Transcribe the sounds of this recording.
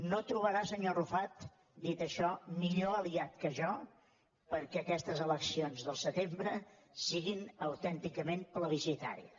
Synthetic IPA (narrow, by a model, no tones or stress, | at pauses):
not̪ɾuβəɾasəɲorufat̪ | d̪it̪əʃɔmiʎoəliat̪̚kəʒɔ | pəɾkɛəkɛst̪əzələksionzðəlˠsət̪embɾəsiɣinəwt̪ɛnt̪ikəmempləβisit̪a̰ɾḭə